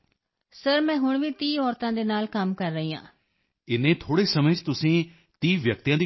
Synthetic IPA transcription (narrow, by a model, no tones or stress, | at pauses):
səɾmɛ̃ːɦʊɳʋiːt̪iːɔːɾt̪ãːd̪eːnaːlkəmkəɾːəɦiːã̰ː | ɪnẽːt̪ʰoːɽeːsəməd͡ʒt̪ʊsĩː | t̪iːʋjək̚t̪ijãːd̪iː